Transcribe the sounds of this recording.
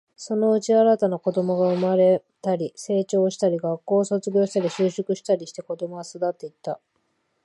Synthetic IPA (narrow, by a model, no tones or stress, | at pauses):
so̞no̞ɯ̟t͡ɕiaɾat̪anako̞d̪o̞mo̞ɡaɯ̟maɾe̞ | t̪aɾʲise̞ːt͡ɕo̞ːɕi̥t̪aɾʲiɡakːo̞ːso̞t͡sɨɡʲo̞ːɕi̥t̪aɾʲiɕɨːɕokɯ̟ɕi̥t̪aɾʲiɕi̥t̪e̞ko̞d̪o̞moɡasod̪at̪ːe̞it̪ːa